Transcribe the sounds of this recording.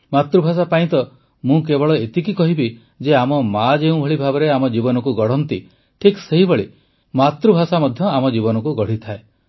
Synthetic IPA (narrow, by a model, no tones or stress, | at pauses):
mat̪ɾubʱas̬apaĩt̪ɔ | mũkebɔɭɔet̪ikikɔɦibi | d͡ʒeamɔmad͡ʒeũbʱɔɭibʱabɔɾeamɔd͡ʒibɔnɔkuɡɔɽ̤ɔnt̪i | ʈʰikseɦibɔɭi | mat̪ɾubʱasamɔd̪ʱjɔamɔd͡ʒibɔnɔkuɡɔɽ̤it̪ʰae